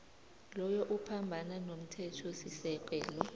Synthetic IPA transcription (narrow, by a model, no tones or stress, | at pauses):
lɔjɔʔupʰambʱananom̩tʰɛtʰɔsisɛk̬ʼɛːlɔ